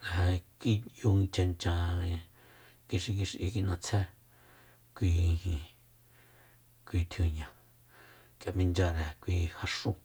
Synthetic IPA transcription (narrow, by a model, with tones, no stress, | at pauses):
ɾa˨a˧ki˦ju˧ĩ˧t͡ʃã˧nt͡ʃã˧ | ki˧ʃi˧k̬i˧ʃʔḭ˧k̬i˧nã˧t͡sʰɛ˦ | kʷĩ˧hĩ˧ | kʷi˧t̪ʰu˧ɲã˧˨ | kja˨mĩ˧nd͡ʒa˧ɾɛ˨kʷiː˧ha˧ʂũ˧